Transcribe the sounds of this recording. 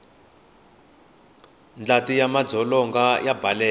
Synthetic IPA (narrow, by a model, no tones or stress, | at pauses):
nd͡ɮatijamad͡zʱɔlɔŋɡajabalɛː